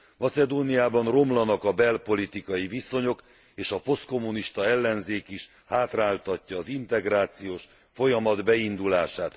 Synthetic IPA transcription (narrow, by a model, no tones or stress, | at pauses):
mɒsɛd̪oːnijaːbɒnro̞mlɒnɒkɒbɛlpo̞lit̪ikɒjiviso̞ɲo̞k | eːʃɒpo̞st̪ko̞mːuniʃt̪ɒɛlːɛnzeːkiʃ | haːt̪raːlt̪ɒcːɒːzint̪ɛɡɾaːt̪sijoːʃ | fo̞jɒmɒd̪bɛind̪ulaːʃaːt̪